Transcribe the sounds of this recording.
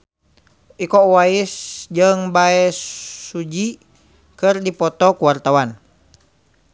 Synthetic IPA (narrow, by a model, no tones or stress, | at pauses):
ʔikɔwaisd͡ʒəŋbaɛsːud͡ʒi | kɨrdipɔt̪ɔkuwart̪awan